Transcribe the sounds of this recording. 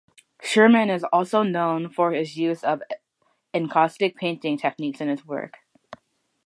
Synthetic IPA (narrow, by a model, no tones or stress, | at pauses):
ʃɜ˞mɨ̃nɨzɔlˠsoʊnõʊ̃nfə˞ɪzjʉzʌv | ɨ̃nkʰɑstɨk̚pʰẽɪ̃ntɪ̃ŋtʰɛk̚niksɨ̃nɨzwɜ̰˞k